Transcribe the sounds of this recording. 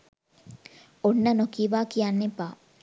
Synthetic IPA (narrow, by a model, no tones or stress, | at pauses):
onːənokiːʋaːkijanːepaː